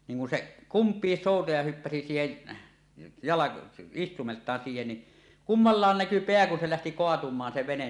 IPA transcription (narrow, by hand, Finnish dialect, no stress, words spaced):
niːŋ kun seʔ kumpiːs soˑutɑjɑ hypːæsi siːhen jɑlɑko istumeltˑɑːn siːhen ni kumːɑlːɑːn næky peæ kun se læhti koɑtumˑɑːn se ʋenen